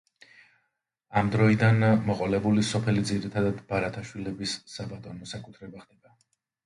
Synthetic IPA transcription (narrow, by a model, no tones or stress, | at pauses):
amd̪ɾɔid̪anmɔqʼɔlɛbulisɔpʰɛlid̪ziɾit̪ʰad̪ad̪baɾat̪ʰaʃwilɛbisːabat̪ʼɔnɔsakʼut̪ʰɾɛbaχd̪ɛba